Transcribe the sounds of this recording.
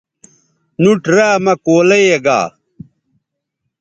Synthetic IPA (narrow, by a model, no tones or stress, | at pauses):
nuʈɾaːmɐkoːleeɡa̰ː